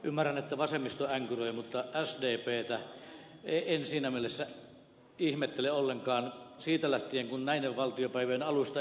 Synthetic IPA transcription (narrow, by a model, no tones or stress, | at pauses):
ymːærænet̪ːæʋɑsemːist̪oæŋkyroˑjɑmut̪ːɑʔæsdeːpeːt̪æ | eˑiensiːnæmielesːæ | ihmet̪ːeleolːeŋkɑːnsiːt̪ælæht̪ieŋkunnæˑinːeʋʋɑlt̪ijopæˑiʋeenɑlust̪ɑ